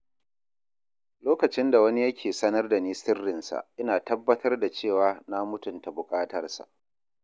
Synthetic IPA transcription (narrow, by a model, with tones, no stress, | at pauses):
loː˦kɐ˨t͡ʃɪ˦nda˨wɐ˦ni˦jɐ˦kʲʰeː˨sɐ˦nɐ˦rda˨niː˦sɪ˦rːɪ˨nsa̰˨ʔɪ˦naː˨tɐ˦bːɐ˦tɐ˦rda˨t͡ʃeː˦˨waː˦na˦mʊ˦tʊ˨nta˨bʊ˨kʼaː˦tɐ˦rsa̰˨ʔ